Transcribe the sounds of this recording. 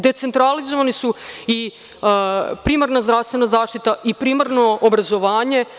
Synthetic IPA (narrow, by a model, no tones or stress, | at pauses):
d̪e̞t̪sent̪ɾalizoʋanisui | pɾiːmaɾnazd̪ɾaʋst̪ʋe̞nazaːʃt̪it̪aʔipɾiːmaɾno̞obɾazo̞ʋaːɲe̞